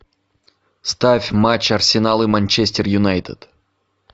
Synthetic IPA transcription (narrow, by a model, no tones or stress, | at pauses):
st̪avʲmat͡ɕɐrsʲɪnalˠɨmanʲt͡ʃɛsʲtʲɪrjʊnajt̪ɨ̰d̪̥